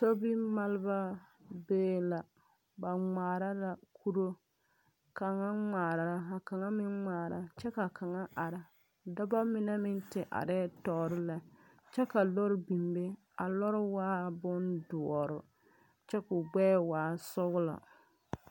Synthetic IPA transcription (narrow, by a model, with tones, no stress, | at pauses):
so˦bi˦ma˦lba˦ | beː˦la˨ | ba˨ŋ͡maː˨ɾa˦la˨kʰu˦ɾo˦ | ka˨ŋa˦ŋ͡maː˨ɾa˨ɾa˦a˨ka˨ŋa˦mɪ˦nŋ͡maː˨ɾa˨t͡ʃɛ˦ka˨ka˨ŋa˦ʔa˨ɾa˨ | da˦ba˦mɪ˨na˦mɪ˦ntɪ˨ʔa̰˨ɾɛː˦tɔ˨ɾɪ˦la˨ | t͡ʃɛ˦ka˨lo˦ɾɪ˦bi˨mbe˦ | a˨lɔ˦ɾɪ˦waː˦bʊ˦ndʊ˨ɔ˨ɾʊ˨ | t͡ʃɛ˦kʊ˨ɡ͡bɛː˦waː˨˦˨sʊ˦ɣʊ˦la̰˨